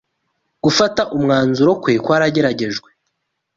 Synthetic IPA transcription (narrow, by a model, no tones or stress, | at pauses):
ɡ̥ufataʔumŋaːnzuɾo̞kweːkwaːɾaɟe̞ɾaɟe̞ʒɡwe̞